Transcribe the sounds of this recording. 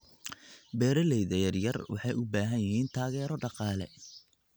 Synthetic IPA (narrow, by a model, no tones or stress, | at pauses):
bɛːɾɐlɛjðɐjɐrjɐrwɑ̰ħɑjʊbaːɦɐnjɪɦiːnt̪ʰaːɣɛːɾɔɖɑqɑːlɛ̰